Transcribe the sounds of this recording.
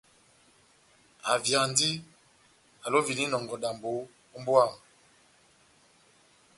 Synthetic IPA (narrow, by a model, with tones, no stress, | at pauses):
a̰˨vja˨ndi˦ | a˨lo˦vi˨ni˦nɔ˨ŋɡɔ˨da˨mbo˨˦ | mbo˦a˦˨m